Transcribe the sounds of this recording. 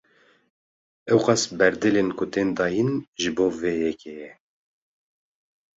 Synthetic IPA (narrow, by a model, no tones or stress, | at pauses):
ɛwqɑsbɛɾd̪ɨlenkʰʊt̪eːnd̪ɑːjinʒɨboːveːjɛkʰejɛ